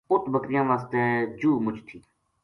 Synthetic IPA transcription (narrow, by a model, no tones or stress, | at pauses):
ʊt̪bəkɾɪjãːʋaːst̪eːd͡ʒuːmʊd͡ʒt̪ʰiː